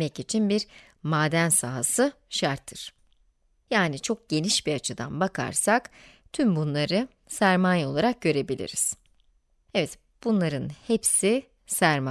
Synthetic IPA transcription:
ɛcit͡ʃʰinbiɾ | maːd̪ænsaɦasɯ | ʃaɾt̪ʰːɯɾ̥ | jaːnit͡ʃʰo̞k̚ɟ̥e̞niʃbiat͡ʃʰɯd̪a̰nbakʰa̰ɾsak | t̪ʰymbunlˠaɾɯ | sæɾmaːjo̞lˠaɾak̚ɟø̞ɾe̞bilʲḭɾiz̥ | ɛvɛt̪ | b̥unlˠaɾɯnhepsi | sæɾma

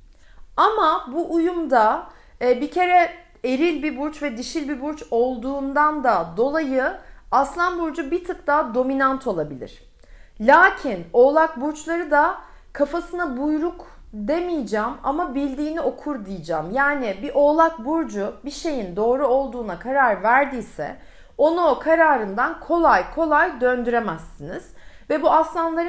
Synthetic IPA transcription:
amabuʔujumd̪aː | bicʰe̞ɾɛ | eɾilʲbibuɾt͡ʃvɛd̪iʃilʲbibuɾt͡ʃo̞lˠd̪uːnd̪and̪ad̪o̞lˠajɯaslˠanbuɾd͡ʒubit̪ʰɯp̚t̪aːd̪o̞minant̪ʰo̞lˠabilʲḭɾ̝̥ | lʲaːcʰino̞ːlˠak̚buɾt͡ʃlˠaɾɯd̪a | kʰafasɯnabujɾuk | d̪e̞mijd͡ʒaːma̰mabilʲd̪iːnio̞kʰuɾd̪ijid͡ʒaːmjaːnibiʔo̞ːlˠak̚buɾd͡ʒubiʃe̞jind̪o̞ːɾuo̞lˠd̪uːnakʰaɾaɾvæɾd̪iːsɛ̰ | o̞nukʰaɾaːɾɯnd̪ankʰo̞lˠajkʰo̞lˠajd̪ø̞nd̪yɾemæsːiniz̥ | vɛbuaslˠanlˠaɾ

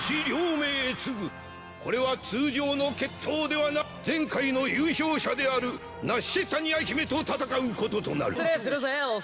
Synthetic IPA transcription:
ɕiɾʲoːme̞ːt͡sɨɡɯ̟ | ko̞ɾe̞βat͡sɨːʑo̞ːno̞ke̞t̪ʰːo̞ːd̪e̞βana | d͡zẽ̞ŋkaino̞jɯːɕo̞ːɕad̪e̞aɾɯ̟ | naɕet̪aɲ̟iaçime̞t̪o̞t̪at̪akaɯ̟ko̞t̪o̞t̪o̞na̰ɾɯ̟esɾ

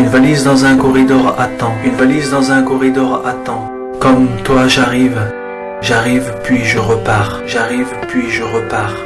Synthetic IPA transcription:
ynvalizd̪ɑ̃zɛ̃kɔʁid̪ɔʁat̪ɑ̃ynvalizd̪ɑ̃zɛ̃kɔʁid̪ɔʁat̪ɑ̃ | kɔmt̪waʒaʁiv | ʒaʁivpɥiʒəʁəpaʁ | ʒaʁivpɥiʒəʁəpaʁ

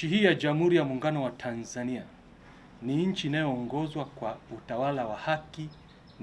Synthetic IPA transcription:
iɦiːjad͡ʒam̩huɾijamuːŋɡanɔwatʰanzania | niɲ̩t͡ʃiːnajɔːŋɡɔzwakwautawalawahaki | n

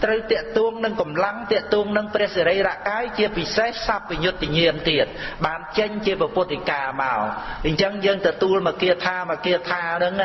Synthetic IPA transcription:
t̪rəwt̪ɛ̆əʔt̪uəŋnɨŋkɑmlaŋt̪ɛ̆əʔt̪uəŋnɨŋprɛ̆əhseɾəjraʔkaːjt͡ɕiəpisehsap̚ʋiɲʊt̪ʰːiəɲiəmt̪iət̪̚ɓaːnt͡ɕəɲt͡ɕiəprapʊ̆ət̪ːikaːma̰ɔɲt͡ɕəŋjəːŋt̪ɔt̪uəlmakiət̪ʰaːmakiət̪ʰaːnɨŋ

